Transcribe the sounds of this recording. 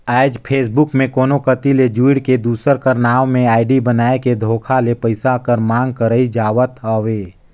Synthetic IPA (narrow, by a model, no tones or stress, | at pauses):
aːɪd͡ʒpʰeːs̬bʊkmẽkoːnokət̪iled͡ʒuɪɽked̪uːsəɾkəɾnaːʋmẽaːɪɖibənaːeked̪ʱoːkʰalepəɪsakəɾmãːŋɡ̚kəɾəid͡ʒaːʋət̪ɦəʋeː